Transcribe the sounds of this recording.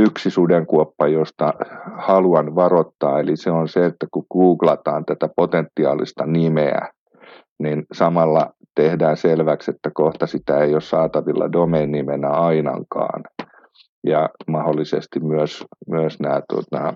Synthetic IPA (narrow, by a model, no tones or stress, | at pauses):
yksisudeŋkuopːɑjost̪ɑhɑluɑnʋɑrot̪ːɑːeliseonseet̪ːækukuːklɑt̪ɑːnt̪æt̪æpot̪ent̪ːiɑːlḭst̪ɑnimeæ̰ | ninsɑmɑlːɑ | t̪ehdæːnselʋækset̪ːækoht̪ɑsit̪æeiossɑːt̪ɑʋilːɑ̰domeːnːimenæɑinɑ̰ŋkɑ̰ːn | jɑmɑholːisḛst̪immyøsmyøsnæːt̪uo̰t̪ɑ